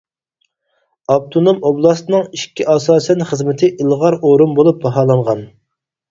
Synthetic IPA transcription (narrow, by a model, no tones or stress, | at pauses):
ɑb̚t̪ʰunomoblˠɑst̪ɨnɨŋiʃkʲːiʔɑsɑːsɛnχəzmɪt̪ʰɪʔilˠʁɑɾoɾumbolˠup̚bɑɦɑːlˠɑɴʁɑn